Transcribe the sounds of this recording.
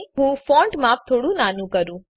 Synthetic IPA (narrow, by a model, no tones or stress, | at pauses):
ɦũːfɔ̃ːɳʈmaːp̚t̪ʰoːɽũnaːnũkəɾũː